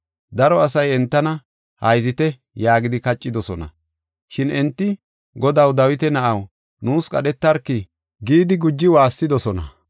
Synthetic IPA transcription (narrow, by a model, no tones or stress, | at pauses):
d̪ɐɾɔɐsɐjɛnt̪ːɐnɐ | hɐjzɪt̪ɛ | jaːɡɪd̪ɪkɐt͡ʃʼːɪd̪ɔsɔnɐ̰ | ʃɪnɛnt̪ːɪ | ɡɔd̪ɐwd̪ɐwɪt̪ɛnɐʔɐw | nuːskʼɐ̰ɗɛt̪ːɐɾkːɪ | ɡiːd̪ɪɡʊd͡ʒːɪwaːsːɪd̪ɔsɔnɐ̰